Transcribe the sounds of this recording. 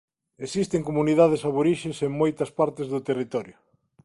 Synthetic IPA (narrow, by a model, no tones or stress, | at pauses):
esist̪eŋkomuniðað̞esaβoɾiʃeseŋmojt̪ɐspaɾt̪ɪzðʊt̪erit̪ɔɾjʊ